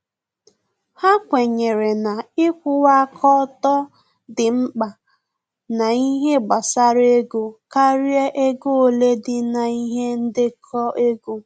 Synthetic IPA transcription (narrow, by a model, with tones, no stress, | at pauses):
ha˦kʷe˨ɲe˨ɾe˨na˨ɪ˦kʷʊ˦wa˦kʰɔ˦tɔ˦ | dɪ˨ŋ͡m̩˦k͡pa˨ | na˨i˦ɦe˦ɡ͡ba˨sa˦ɾe˦ɡu˦ka˦ɾje˦ʔe˦ɡo˦o˦le˦dɪ˦na˨i˦ɦe˦n̩˦dɪ˦kʰɔ˦ʔe˦ɡu˦